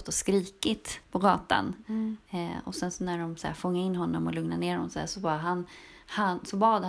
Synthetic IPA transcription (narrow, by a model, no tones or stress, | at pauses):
t̪ːɔskɾiːkɪt̪pʰɔɡɑːt̪a̰n | ɔsɛnsɔnæɖɔmsæ̰ɾfɔŋːaɪnːɦɔnːɔmɔlɵŋnaneːɾɔnɔsd̪æ̰ʂɔbɑːɦan | hansɔbɑːd̪h